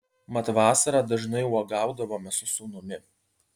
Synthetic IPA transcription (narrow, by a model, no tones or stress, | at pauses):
mɐt̪ʋɑːsɐɾɑːd̪ɐʒnɐɪuɔɡɑˑʊd̪ɐʋoːmʲɛsʊsuːnʊmʲɪ